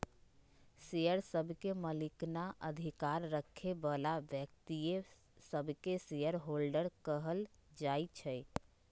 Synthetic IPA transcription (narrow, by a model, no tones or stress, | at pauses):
sejəɾsəbʱkeməliknaʔəd̪ʱikaɾːəkʰːebəlabjək̚t̪ie | səbʱkesejəɾɦolɖəɾkəɦəl | d͡ʒajt͡ʃʰəj